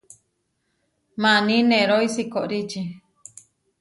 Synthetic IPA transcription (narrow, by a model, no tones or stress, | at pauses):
manĩnẽɾoisikoʔɾit͡ʃi